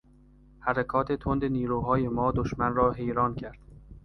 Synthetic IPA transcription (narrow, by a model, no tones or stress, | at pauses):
hæɾekʰɒːt̪ʰe̞t̪ʰond̪eniːɾuːɦɒːjemɒːd̪oʃmænɾɒːɦe̞jɾɒːncʰæɾd̪̥